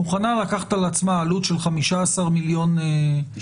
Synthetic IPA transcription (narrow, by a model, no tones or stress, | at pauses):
uχanalakaχḁt̪alat͡smaːlut̪ʃe̞lχamiʃaːsaʁmiljo̞ne